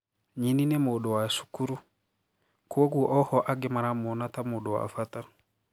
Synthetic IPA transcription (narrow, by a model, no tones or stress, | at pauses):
ɲininɛmoɗowasu̥kuɾu | kuwoɡuʔɔhɔʔaɡɛmaɾamonatamʊɗɔwa̰fata